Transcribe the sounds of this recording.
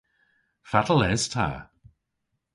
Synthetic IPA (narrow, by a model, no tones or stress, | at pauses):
fatəl̩ɛz̥tʰa̰